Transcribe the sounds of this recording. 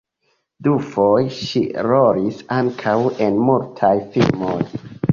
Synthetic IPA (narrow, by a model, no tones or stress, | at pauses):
dufo̞jʃḭɾo̞ɾisaŋkʰawe̞nmultʰajfilmoj